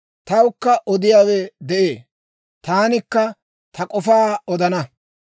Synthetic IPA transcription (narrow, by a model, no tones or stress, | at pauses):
t̪ɐwʊkːɐʔɔd̪ɪjaːwɛd̪ɛʔeː | t̪aːnɪkːɐ | t̪ɐkʼɔfaːɔd̪ɐnɐ